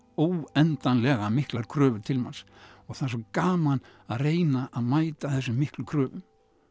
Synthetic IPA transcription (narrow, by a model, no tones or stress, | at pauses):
oːwɛnt̪anlɛɣamɪhklaɾkʰɾœːvʏɾt̪ʰɪlmansɔɣθaðs̬ɔkaːmanaðreːjnaʔaðmaːjt̪aθɛsːʏmːɪhklʏkʰɾœːvʏm